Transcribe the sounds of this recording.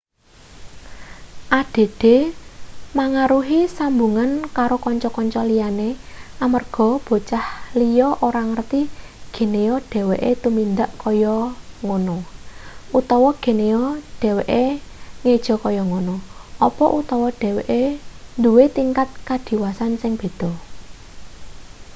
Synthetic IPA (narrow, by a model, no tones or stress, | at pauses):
ʔad̥e̤d̪̥e̤ | maŋaɾuɦisambuŋankaɾokɔɲt͡ʃɔkɔɲt͡ʃɔlijaneʔamərɡ̥ɔ̤b̥ɔ̤t͡ʃahlijɔʔoɾaŋərt̪iɡ̥e̤neɔɖ̥ɛ̤weʔet̪umind̪aʔkɔjɔŋonɔ | ʔut̪ɔwɔɡ̥e̤neɔɖ̥ɛ̤weʔeŋed̥ʒ̥ɔ̤kɔjɔŋonɔɔpɔʔut̪ɔwɔɖ̪̥ɛ̤weʔend̪uwet̪iŋkat̪̚kad̪̥i̤wasansɪŋb̥e̤d̪̥ɔ̤